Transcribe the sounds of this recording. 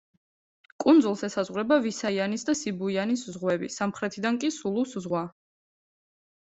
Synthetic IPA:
kʼund̪zulˠsɛsazʁwɾɛbavisaianisd̪asibuianiszʁwɛbisamχɾɛt̪ʰid̪aŋkʼisulˠuszʁwa

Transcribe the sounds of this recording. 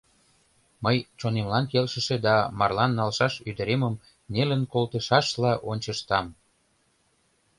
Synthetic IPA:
məjt͡ɕonemlɑnkelʃə̆ʃed̪ɑmɑrlɑnːɑlʃɑʃyd̪əɾeməm | nelənkolt̪əʃɑʃlɑʔonʲt͡ɕəʃt̪ɑm

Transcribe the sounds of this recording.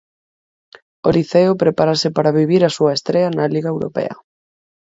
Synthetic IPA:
oliθeopɾepaɾasɪpaɾaβiβ̞iɾasuɐest̪ɾeɐnaliɣaewɾo̰pɛ̰ɐ̰

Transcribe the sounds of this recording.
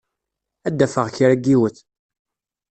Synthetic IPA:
æd̪ːæfəʁçiɾæɡiwəθ

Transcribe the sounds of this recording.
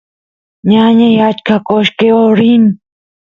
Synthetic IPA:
ɲaɲajat͡ʃkakoʃkeoɾin

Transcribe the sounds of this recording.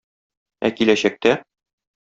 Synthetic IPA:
æ̰kilæɕæk̚t̪æ

